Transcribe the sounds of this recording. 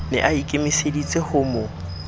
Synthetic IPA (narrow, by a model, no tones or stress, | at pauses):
nɪ̰ʔaikʼɪmisedit͡sʼehʊmo